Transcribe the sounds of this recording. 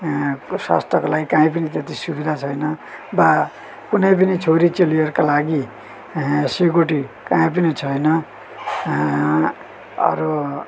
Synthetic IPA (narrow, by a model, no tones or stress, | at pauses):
sa̰st̪ʰʌkolaɡikãĩpʌnit̪et̪isubid̪ʱat͡sʰʌjnʌba | kunʌjpʌnit͡sʰoɾit͡selijʌrkalaɡi | seɡoʈikaĩp̬ʌnit͡sʰʌjnʌ | ʌ̰ɾu